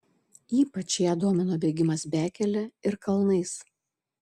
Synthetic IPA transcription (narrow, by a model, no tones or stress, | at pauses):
iːpɐt͡ʃjæːd̪oːmʲɛnoːbʲɛːɡʲɪmɐsbʲæːkʲɛlʲɛɪɾkɐlˠnɐɪs